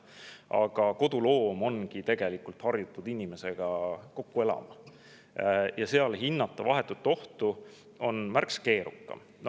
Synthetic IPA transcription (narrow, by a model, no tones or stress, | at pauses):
ɑ̰ɡ̥ɑko̞d̪̥ulo̞ːmo̞nɡ̥it̪e̞ɡ̥e̞likult̪hɑrjut̪ːˑud̪inʲime̞se̞ɡ̥ɑko̞kːue̞lɑ̰mɑ | jɑse̞ɑlɦinːɑt̪ːˑɑvɑɦe̞t̪ːˑut̪ːˑo̞ht̪u | o̞nmærkske̞ːɾukːɑ̰m